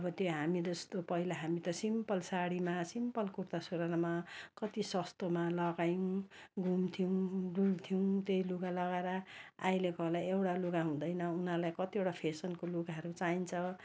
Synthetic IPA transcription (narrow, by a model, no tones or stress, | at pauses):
ʌbʌt̪joɦamid͡zʌst̪opʌɦilaɦamit̪ʌsimpʌlsaɽimasimpʌlkurt̪asuɾanamakʌt̪isʌst̪omalʌɡajũɡʱumt̪ʰiw̃ɖult̪ʰiuw̃t̪eiluɡalʌɡaeɾʌa̰jlekʌlajewʈaluɡaɦũd̪ʌjnʌunarlajkʌt̪iewʈapʰesʌnkoluɡaɦʌɾut͡saint͡sʰʌ